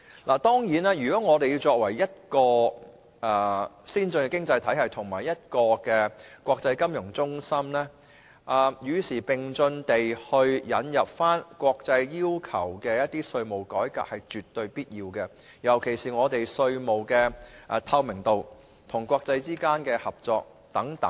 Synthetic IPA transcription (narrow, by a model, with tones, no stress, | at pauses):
laː˨˩t̪ɔː˥ŋjiː˨˥naː˥jyː˨˩kɔː˨˥ŋɔː˨˧t̪e˨ji˧wt͡sɔː˧k̚wɐ˨˩jːɐ˥t̚kɔː˧ | ʔɛː˨˩siː˥nt͡sɵ˧nkɛ˧kɪ˥ŋt͡sɐ˧jt̪ʰɐ˨˥jhɐ˨jt̪ʰʊ˨˩ŋmaː˨˩jɐ˥t̚kɔː˧kɛː˧kʷɔː˧k̚t͡sɐ˧jkɐ˥mjʊ˨˩ŋt͡sʊ˥ŋsɐ˥mnɛː˥ | ʔa˨˩jyː˨˧siː˨˩pɪ˨˩ŋt͡sɵ˧nt̪e˨jhɵ˧ɥjɐ˨˧njɐ˨p̚faː˥nkʷwɔː˧k̚t͡sɐ˧jjiː˥wkʰɐ˨˩wkɛː˧jɐ˥t̚t̪iː˥sɵ˧ɥmo˨wkɔː˨˥jka̰ː˧k̚hɐ˨jt͡ʃyː˨t̪ːɵ˧ɥpiː˥t̚jiː˧wkɛ˧ | jɐ˨˩wkʰe˨˩jsiː˨ŋɔː˨˧t̪e˨jsɵ˧ɥmo˨wkɛː˧ʔɛ˨t̪ʰɐ˧wmɪ˨˩ŋt̪o˨w | t̪ʰʊ˨˩ŋkʷwʷɔː˧k̚t͡sɐ˧jt͡siː˥kaː˥nkɛː˧hɐ˨˩p̚t͡sɔː˧k̚ | t̪ɐ˨˥ŋt̪ɐ̰˨˦ŋ